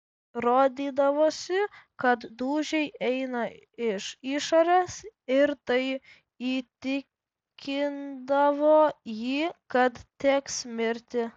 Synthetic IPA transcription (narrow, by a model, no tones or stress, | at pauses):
ɾoːd̪ʲiːd̪ɐʋoːsʲɪkɐt̪d̪uːʒʲɛɪʔɛɪnɐɪʃiːʃoːɾʲeːsɪɾt̪ɐɪ | iːt̪ʲɪ | kʲɪnd̪ɐʋoːjiːkɐt̪t̪ʲeːksmʲɪɾʲt̪ʲɪ